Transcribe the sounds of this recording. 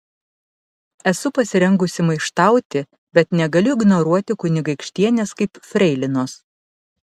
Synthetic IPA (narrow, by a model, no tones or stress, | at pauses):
ɛsʊpɐsʲɪɾʲɛŋɡʊsʲɪmɐɪʃt̪ɑˑʊt̪ʲɪ | bʲɛt̪nʲɛɡɐlʲʊɪɡnɔɾuɔt̪ʲɪkʊnʲɪɡɐɪkʃʲt̪ʲiɛnʲeːskɐɪpfʲɾʲɛɪlʲɪnoːs